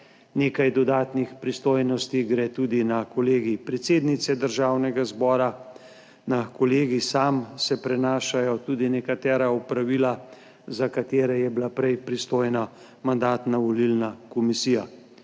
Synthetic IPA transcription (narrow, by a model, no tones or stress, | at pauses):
neːkajd̪ɔd̪aːt̪nixpɾist̪oːjnɔst̪iɡɾɛːt̪uːd̪inakɔleːɡipɾɛt̪seːd̪nit̪sɛd̪əɾʒaːwnɛɡazbɔːɾa | nakɔleːɡisaːmsɛpɾɛnaːʃajɔt̪uːd̪inɛkat̪ɛːɾaupɾaʋiːla | zakat̪eːɾɛjɛblapɾɛjpɾist̪oːjna | mand̪aːt̪naʋɔlilnakɔmisiːja̰